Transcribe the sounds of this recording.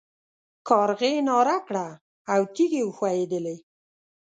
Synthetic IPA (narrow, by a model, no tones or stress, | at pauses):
kɑɾɣenɑɾakɽaː | wt̪iɡewəxwajed̪əle